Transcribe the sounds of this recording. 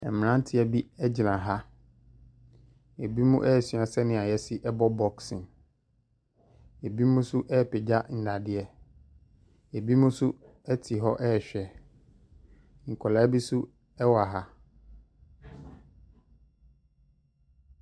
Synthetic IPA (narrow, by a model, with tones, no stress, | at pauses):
ɛ˨m˨nã˦n˦tʰɪ˦ɛ˨bi˦ɛ˦d͡ʑɪ˨nã˨ɦa˦ | e˨bi˦mũ˦ʔɛ˦˨sɥa˨sɛ˦nɪ̃˨˦a˨jɛ˦sɪ˦ʔɛ˦bɔ˦bɔ˨ksɪ̃˨n | e˨bi˦mũ˦sʊ˦ʔɛ˦˨pɪ˨d͡ʑa˦n̩˨da˨dɪ˨ɛ˨ | e˨bi˦mũ˦sʊ˦ | ɛ˦tʰi˨ɦɔ˦ʔɛ˦˨ɕᶣɛ˨ | ŋ̩˨kʰɔ˨la˨˦bi˦sʊ˦ | ɛ˦wa˨ɦa˦